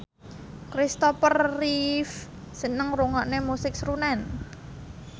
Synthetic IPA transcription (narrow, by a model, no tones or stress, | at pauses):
kɾist̪ɔpərːif | sənəŋruŋɔʔnemusɪk̚sɾunɛn